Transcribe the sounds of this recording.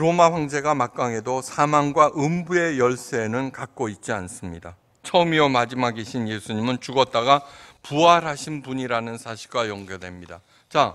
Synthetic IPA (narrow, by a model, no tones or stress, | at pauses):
ɾomaɸwaŋd͡ʑe̞ɡamak̚k͈aŋɦe̞dosʰamaŋɡwaʔɯmbue̞jʌɭs͈enɯnkak̚k͈oit̚t͡ɕ͈ians͈ɯmɲida | t͡ɕʰʌɯmiomad͡ʑimaɡeɕʰinje̞sʰuɲimɯnt͡ɕuɡʌt̚t͈aɡapuaɾɦaɕʰinpuɲiɾanɯnsʰaɕʰi̥ɭɡajʌŋɡedwe̞mɲida | t͡ɕa